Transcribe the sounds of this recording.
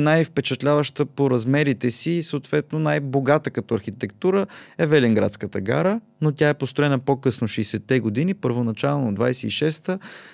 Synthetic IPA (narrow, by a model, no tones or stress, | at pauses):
najfpɛt͡ʃɛt̪lʲavəʃt̪əpoɾɐzmɛɾit̪ɛsiːsəot̪vɛt̪nonajboɡat̪əkɐt̪ɔɐɾxit̪ɛkt̪uɾəɛvɛliŋɡɾa̰t̪skət̪əɡa̰ɾə | not̪ʲaɛpost̪ɾoɛnəpokɤsnoʃɛjsɛt̪ːɛɡod̪inipəɾvonɐt͡ʃalˠnoːd̪vajsɛiʃɛst̪ə